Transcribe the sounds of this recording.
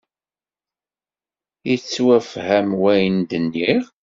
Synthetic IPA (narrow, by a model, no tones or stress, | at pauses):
it͡sːwæfhæmwæjnd̪ənːiʁ